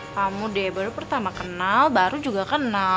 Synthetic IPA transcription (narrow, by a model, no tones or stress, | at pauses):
kamudɛbaɾupərt̪amakənalbaɾud͡ʒuɡakəna